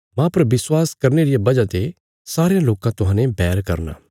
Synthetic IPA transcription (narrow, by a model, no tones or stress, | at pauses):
mãpɐɾʋɪswaːskɐɾneːɾɪjabɐd͡ʒat̪e | saːɾejãloːkãt̪ʊɦãːnẽbɛːɾkɐɾna̰ː